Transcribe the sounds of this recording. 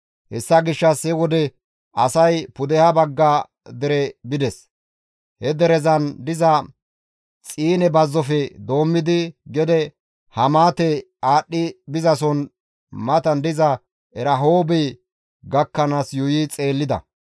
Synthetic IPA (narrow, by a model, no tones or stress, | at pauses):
hɛsːɐɡɪʃːɐshɛwɔd̪ɛ | ɐsɐjpʊd̪ɛhɐbɐɡːaː | d̪ɛɾɛbɪd̪ɛs | hɛd̪ɛɾɛzɐnd̪ɪzɐ | t͡sʼiːnɛbɐzːɔfɛd̪o̞ːmːɪd̪ɪɡɛd̪ɛ | hɐmaːt̪ɛ | aːɗːɪbɪzɐsɔn | mɐt̪ɐnd̪ɪzɐ | ɛɾɐɦo̞ːbɛ | ɡɐkːɐnaːsjʊjiːt͡sʼe̞ːlːɪd̪ɐ̰